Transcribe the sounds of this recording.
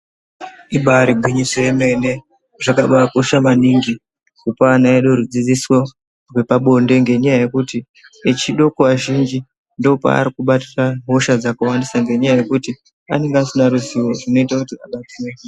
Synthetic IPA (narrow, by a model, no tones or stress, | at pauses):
iɓaɾiɡʱwiɲisoeme̞ne̞ | ʐakaɓaakuʃamaniŋɡi | kupaanaeɗoɾud͡zid͡ziswo | rwe̞paɓo̞nde̞ŋɡe̞ɲajaje̞kuti | et͡ʃiɗo̞kuʋaʒind͡ʒi | ndo̞pa̰a̰ɾikuɓatiraɦoʃad͡zakuwandisaŋɡe̞ɲajaje̞kuti | a̰ne̞ŋɡeasinaɾuziwo̞rino̞itakutia̰ɓatine